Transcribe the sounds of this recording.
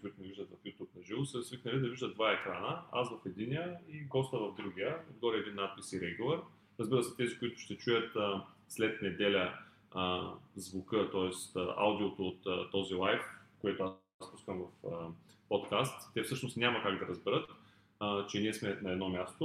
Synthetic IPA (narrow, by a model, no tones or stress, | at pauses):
kʊit̪ʊnɛviʒd̪ət̪vɐfjut̪jupnɐʒilˠosəɾzviknɐlid̪ɐviʒd̪ətd̪vaɛkɾanəasvɐfɛd̪inijəiɡɔst̪əvɐvd̪ɾuɡʲijəo̰d̪ɡɔɾiɛd̪inːat̪̚pisiɾɛɡʊlˠɐɾ | ɾəzbiɾəsɛt̪ɛzikʊit̪ʊ̥ʃt̪ɛt͡ʃujət̪ə | slɛt̪nɛd̪ɛlʲə | əzvʊkɤt̪ɔɛst̪əʔa̰wd̪iot̪oːt̪t̪ːɔzilˠajfkoɛt̪oa | spuskəmvɐfəpɔt̪kast̪ːɛfsɤʃnost̪nʲamɐkaɡd̪ɐɾəzbɛɾət̪ː | t͡ʃɛniɛsmɛnɐɛd̪nɔmʲast̪o